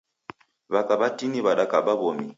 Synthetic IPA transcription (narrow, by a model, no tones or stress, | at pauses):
βakaɓatiniβaɗakaɓaβɔmi